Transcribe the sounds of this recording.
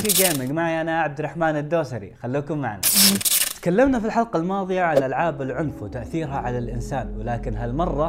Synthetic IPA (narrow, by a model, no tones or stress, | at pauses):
ʃiɡeːmɪɡmaʕiʔanaʔaʕab̚d̪rˤːɑħmaːnɪd̪ːoːsaɾḭxalːuːkʊmːaʕna̰t̪kalːamnafilħɑlqɑlmɑːðˤɨjaʕalʔalʕaːbɪlʕʊnfwɪt̪aʔθiːɾhaʕalalʔɪnsaːnwɪlaːkɪnɦalmɑrˤːɑ